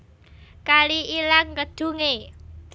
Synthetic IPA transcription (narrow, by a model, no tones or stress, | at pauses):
kaliʔilaŋ̚kəd̪̥ṳŋe̥